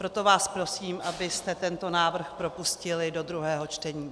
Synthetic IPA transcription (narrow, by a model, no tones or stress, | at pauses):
pɾo̞t̪o̞vaːspɾo̞siːmʔabɪst̪ɛt̪ɛnt̪o̞naːvr̩xpɾo̞puscɪlɪdo̞d̪ɾuɦɛːɦo̞t͡ʃt̪ɛɲiː